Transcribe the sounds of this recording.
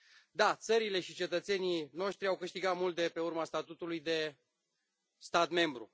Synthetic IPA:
d̪at̪səɾile̞ʃit͡ʃe̞t̪ət̪se̞nijno̞ʃt̪ɾiawkɨʃt̪iɡat̪mult̪̚d̪epe̞urmast̪at̪ut̪ulujd̪e̞ | st̪at̪me̞mbɾṵ

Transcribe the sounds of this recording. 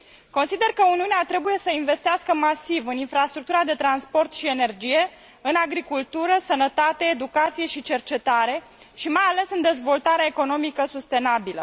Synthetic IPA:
ko̞nsid̪e̞rkəuniuneat̪ɾe̞buje̞səinve̞st̪iaskəmasivɨninfɾast̪ɾuk̚t̪uɾad̪e̞t̪ɾanspo̞rt̪ʃie̞ne̞rd͡ʒije̞ | ɨnaɡɾikult̪uɾəsənət̪at̪e̞ːd̪ukat̪sije̞ʃit͡ʃe̞rt͡ʃe̞t̪aɾe̞ | ʃimajale̞sɨnd̪e̞zvo̞lt̪aɾeaeko̞no̞mikəsust̪e̞nabilə̰

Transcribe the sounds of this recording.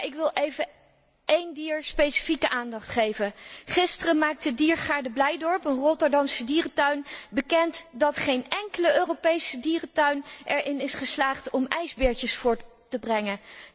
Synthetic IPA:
ɪkʋɪlˠʔejvə | ejndiːɹspejsi̥fikəʔaːndɑχtχejvəχɪstərəmaːk̚tədiːɹχaːɹdəblɛjdɔɹpənrɔtəɹdɑmsədiːrətœɥnbəkɛntdɑtχejnɛŋkələøːrowpejsədiːrətœɥnʔɛɹʔɪnɪsχəslaːχtɔmɛjzbɪːɹcəsfʊːɹtː | əbrɛŋə

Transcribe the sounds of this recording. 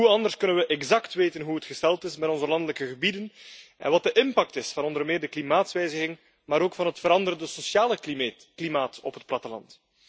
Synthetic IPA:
ɦuɑndərskɵnənʋəʔɛɡzɑktʋeːtənɦuɦətxəstɛlˠtɪsmɛtɔnzəlɑndələkəɣəbidənʔɛ̰nʋɑt̚dəʔɪmpɑk̚tɪsfɑnɔndərmɪːrdəklimaːtsʋɛjzəɣɪŋ | maːɾoːkfɑnɦətfəɾɑndəɾəndəsosaːlə | klimaːtɔpɦət̚plɑtəlɑ̰nt

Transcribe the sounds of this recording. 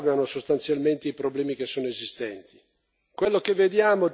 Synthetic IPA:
veanosost̪ant̪sjalment̪eipɾoblɛːmik̟esːoːnoezist̪ɛnt̪i̥ | kwelːokevːed̪jaːmo

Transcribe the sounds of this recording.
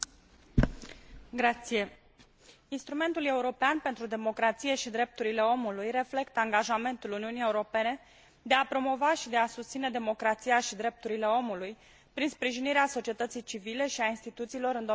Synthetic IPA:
ɡɾat̪sije̞ | inst̪ɾume̞nt̪ule̞uɾo̞peanpe̞nt̪ɾud̪e̞mo̞kɾat̪sije̞ʃid̪ɾe̞p̚t̪uɾile̞o̞mulujre̞fle̞kt̪əaŋɡaʒame̞nt̪uluniunije̞uɾo̞pe̞ne̞ | d̪e̞apɾo̞mo̞vaʃid̪easust̪sine̞d̪e̞mo̞kɾat̪sijaʃid̪ɾe̞p̚t̪uɾile̞o̞muluj | pɾinspɾiʒiniɾeaso̞t͡ʃie̞t̪ət̪sijt͡ʃivile̞ʃiainst̪it̪ut̪siːlo̞ɾɨnd̪o

